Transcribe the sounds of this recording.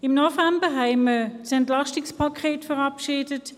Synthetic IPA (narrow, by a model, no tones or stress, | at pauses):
ɪmnɔfɛmbəɦɛɪməsɛntlaʃtɪkspʰakʰeːtfəʁɑpʃiːdət